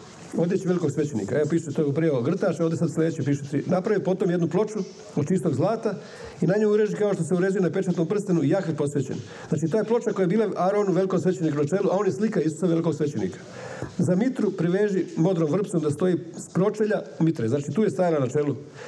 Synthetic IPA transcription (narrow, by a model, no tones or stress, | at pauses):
o̞d̪jet͡ɕiʋeliko̞ɡsʋet͡ɕenḭkaeopiːʃu̥t̪et̪oɡpɾiaoɡr̩t̪aːʃoʋd̪esad̪slʲe̞d̪et͡ɕepiːʃe̥t̪inapɾaʋipo̞t̪o̞mjed̪nuplo̞t͡ʃu | od̪t͡ʃist̪o̞ɡzlˠaːt̪a | inaɲojuɾeːʒikaoʃt̪oseuɾed͡ʒujenape̞t͡ʃat̪nompr̩st̪enuijakʋipo̞sʋet͡ɕḛn | znaːt͡ʃit̪oːjeplo̞t͡ʃako̞jajebiːlˠaaɾonuʋeliko̞ɡsʋet͡ɕenikunat͡ʃe̞ːluʔao̞ːnjeslikaisu̥saʋeliko̞ɡsʋet͡ɕenḭkḁ | zamit̪ɾupɾiʋeːʒimo̞d̪ɾomvr̩p̪somd̪ast̪o̞jiːspɾo̞t͡ʃeʎamit̪ɾeznaːt͡ʃit̪uːjest̪ajalanat͡ʃe̞lu